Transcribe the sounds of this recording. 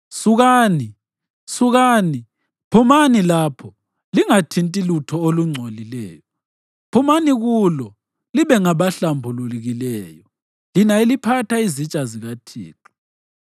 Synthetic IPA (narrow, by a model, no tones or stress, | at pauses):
suɣaːni | suɣaːni | pʰumanilaːpʰɔ | liŋatʰintʼilutʰɔoluŋ͡ǀʱolilɛ̰ːjɔ | pʰumaniɣulɔ | liβɛŋaβaɬambʱululiɣilɛjɔ | linaelipʰatʰaizit͡ʃʼaziɣatʰḭːǁu